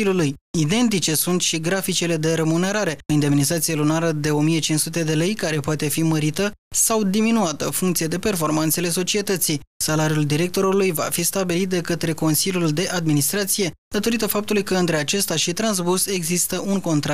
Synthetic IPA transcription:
iluluj | id̪e̞nt̪̬it͡ʃe̞sunt̪ʃiɡɾafit͡ʃe̞le̞d̪e̞ɾe̞mune̞ɾaɾe̞ind̪e̞minizat̪sijelunaɾəd̪e̞o̞mije̞t͡ʃinssut̪e̞d̪e̞le̞jkaɾe̞poat̪e̞fiməɾit̪ə | sawd̪iminuat̪əfuŋkt̪sijed̪e̞pe̞rfo̞rmant̪se̞le̞so̞t͡ʃie̞t̪ət̪sisalaɾijuld̪iɾe̞k̚t̪o̞ɾulujva̰fist̪abilit̪̚d̪e̞kət̪ɾe̞ko̞nsilʲjuld̪e̞ʔad̪minist̪ɾat̪sije̞d̪̥at̪o̞ɾit̪əfap̚t̪ulujkəɨnt̪ɾe̞at͡ʃe̞st̪aʃit̪ɾanz̬buse̞ɡzist̪əuŋko̞nt̪ɾa

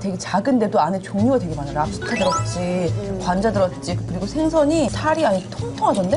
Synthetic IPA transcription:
twe̞ɡet͡ɕaɡɯnde̞doanet͡ɕoŋɲoɡadwe̞ɡimanaɾap̚s͈ʰɯ̥tʰadɯɾʌt̚t͡ɕ͈ikwand͡ʑadɯɾʌt̚t͡ɕ͈ikɯɾiɡosʰeŋsʰʌɲisʰaɾiaɲitʰoŋtʰoŋɦad͡ʑʌnde̞

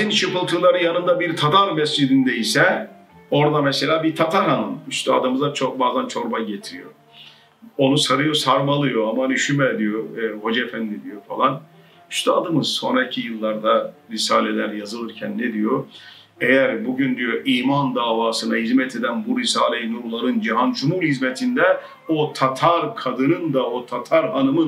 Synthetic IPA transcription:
zint͡ʃʰɯpɯlˠt̪ʰɯlˠaɾɯjanɯnd̪abiɾt̪ʰat̪ʰaɾmɛsd͡ʒid̪ind̪ɛisɛ | o̞ɾd̪amɛse̞lʲaːbiɾt̪ʰat̪ʰaɾhanɯnyʃt̪ʰɛa̰d̪ɯmɯzat͡ʃʰok̚baːzant͡ʃʰo̞ɾbaɟet̪ʰiɾijo | o̞nusaɾɯjosaɾmalˠɯjo̞amad̪yʃymɛd̪ijo̞ho̞d͡ʒefænd̪id̪ijo̞falˠan | yʃt̪ʰɛad̪ɯmɯzso̞̰nɾaicʰijɯlˠːaɾd̪aɾisaːlʲelʲæɾjazɯlˠɯɾcʰɛnːɛd̪ijo | ejæɾbuɟynd̪ijo̞ʔiːmand̪aːvaːsɯnaɦizmɛt̪ʰe̞d̪ænbuɾisaːlʲejnuɾlˠaɾɯnd͡ʒiɦanʃumulhizmɛt̪ʰind̪ɛ | ot̪ʰat̪ʰaɾkʰad̪ɯnɯnd̪aot̪ʰat̪ʰaɾɦanɯmɯ

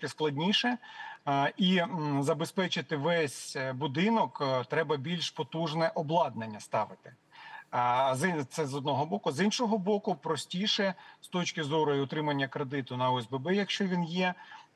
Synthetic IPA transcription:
kɪsklˠɐdʲnʲiʃɛ | izɐbespɛt͡ʃɪt̪ɪʋɛsʲbʊd̪ɪnɔkt̪ɾɛbɐbʲilʲʃpɔt̪uʒnɛʔɔblˠɑd̪̚nenʲːɐst̪ɑʋɪt̪ɪ̥ | zt̪ɛzɔd̪nɔɦɔbɔkʊzinʃɔɦɔbɔkʊpɾɔsʲtʲiʃɛst̪ɔt͡ʃkʲɪzɔɾɔjʊɔt̪ɾɪmɐnʲːɐkɾed̪ɪt̪ʊnɐʊɛzbebɛjɐkʃt͡ʃɔʋʲinjɛ

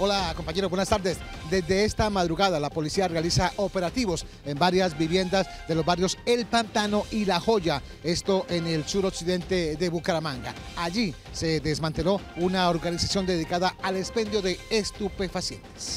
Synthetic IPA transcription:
o̞lako̞mpaɲe̞ɾobwenast̪aɾðe̞sd̪e̞zd̪e̞est̪amaðɾuɣaðalapo̞lisiarealisaʔo̞pe̞ɾat̪iβo̞s | e̞mbaɾjazbiβje̞nd̪azd̪e̞lo̞zβarjo̞se̞lpant̪ano̞ʔilaxo̞ʝa | e̞st̪o̞ʔe̞ne̞lsuɾo̞ksiðe̞nt̪e̞ðe̞βukaɾamaŋɡa̰aʝi | se̞ðe̞zmãnt̪e̞lo̞unaoɾɣanisasjo̞nd̪e̞ðikaðaalespe̞nd̪jo̞ðe̞ːst̪upe̞fasje̞̰nt̪e̥s

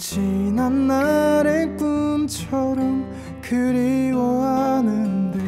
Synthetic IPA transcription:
t͡ɕinanːaɾepunt͡ɕʰʌɾʌm | kɯɾiwʌɦanɯnde

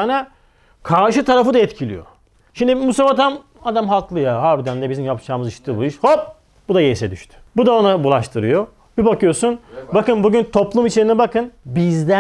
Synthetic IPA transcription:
anɛ | kʰaɾʃɯt̪ʰaɾafɯd̪aɛt̪cʰilʲḭjo̞̰ | ʃimd̪imusafat̪ʰam | ad̪amɦaklˠɯjaɦaɾbid̪ænd̪ɛbizimjapt͡ʃʰaːmɯziʃt̪ʰibuiʃhop̚ | bud̪ajejsɛd̪yʃt̪ʰy̥bud̪aonabulˠaʃt̪ʰɯɾɯjo | bibakɯjo̞sunbakɯnbuɟynt̪ʰo̞plˠumit͡ʃʰe̞ɾinɛbakɯnbizd̪æ

